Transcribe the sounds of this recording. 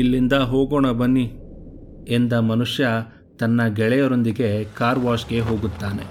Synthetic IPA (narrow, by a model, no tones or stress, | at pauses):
ilːind̪ɐɦoːɡɔɳɐbɐnːi | end̪ɐmɐnuʂjɐ | t̪ɐnːɐɡɛɭɛjɐɾo̞nd̪iɡe̞kaːɾʋaːʂɡe̞ɦo̞ːɡut̪ːaːne̞̰